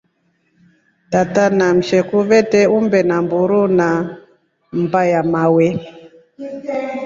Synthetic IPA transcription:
tatanam̩ʃɛkuvɛtɛumbɛnambuɾuna | m̩bajamawɛ

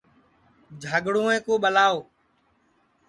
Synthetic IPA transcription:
d͡ʒʱaːɠɽũːẽːkoːɓəlaːoː

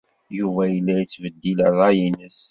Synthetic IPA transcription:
juvæjəlːæjit͡sːvəd̪ːiləðˤɑjinəs

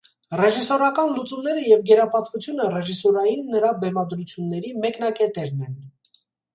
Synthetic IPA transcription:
rɛʒisɔɾɑkɑnlut͡sumnɛɾəjɛvɡɛɾɑpɑt̪vut͡sʰjunərɛʒisɔɾɑjinːəɾɑbɛmɑd̪ɾut͡sʰjunːɛɾimɛkn̪ɑkɛt̪ɛɾnɛn

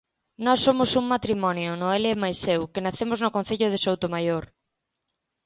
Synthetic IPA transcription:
nɔsːomʊsuŋmat̪ɾimɔnjonoelɪɛmajsewkenaθemʊznʊkõn̟θeʎʊð̞esowt̪omajoɾ

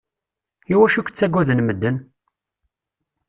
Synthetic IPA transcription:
iwæʃukːt͡sːæɡʷːæðənməd̪ːən

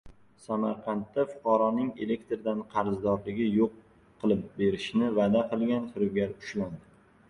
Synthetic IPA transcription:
samaɾqʰɑnt̪ːafʊ̥qʰɑɾɒnɪŋe̞le̞k̚ʲt̪ɾd̪anqʰɑɾzd̪ɒɾlɪɡʲɪjoqʰː | ɨlˠɪp̚be̞ɾɪʃnɪvad̪aqʰɨlˠɡʲant̪ʊɾʊɡʲaɾʊ̥ʃland̪ɪ

